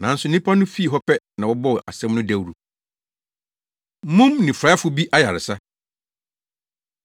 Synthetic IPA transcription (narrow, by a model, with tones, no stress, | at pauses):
nã˨n˦sʊ˨nɪ̃˦pʰa˦nʊ̃˦fi˦˨ɦɔ˦pʰɛ˦nã˨wɔ˦bɔ˦wʔa̰˨sɛ̃˦mnʊ̃˦dæ˦wɾu˨˦ | mũ˦mnɪ̃˨fɾa˨˦fʊ˦bi˦ʔa˦ja˨ɾɪ˨sa˦